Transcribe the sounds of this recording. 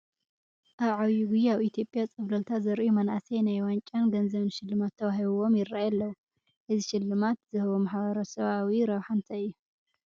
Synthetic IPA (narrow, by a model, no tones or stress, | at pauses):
ʔaβʕaβjuɡujɛaβit̪ʰjo̞pʼjat͡sʼɨβlɐlt̪ʰazɐɾʔumɐnʔa̰sɐjnajwant͡ʃʼanɡɐnzɐβnʃɪlːɨmat̪ʰːɐβaɦiβuwo̞mjɪrːajɛlːɐ | ʔɨziʃɪlːɨmat̪zɨhɐβomaħβɐɾɐsɐβawiɾɐβħant̪ʰɐɨjːu